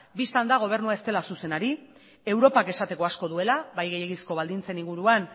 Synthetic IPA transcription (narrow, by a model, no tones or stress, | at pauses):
bist̪and̪aɣ̞o̞β̞e̞ɾnuae̞st̪e̞lasuse̞naɾi | e̞wɾo̞pake̞sat̪e̞ko̞asko̞ðue̞laβajɣejeɣisko̞βald̪int͡se̞niŋɡuɾuan